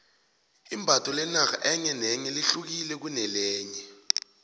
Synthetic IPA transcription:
imbʱatʼɔlɛnaka̰ʔɛɲɛnɛɲɛliɬuk̬ilɛk̬unɛlɛːɲɛ

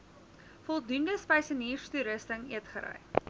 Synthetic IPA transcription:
fɔlˠdundəspəjsəniːrstuɾəstəŋiətχəɾœ̰j

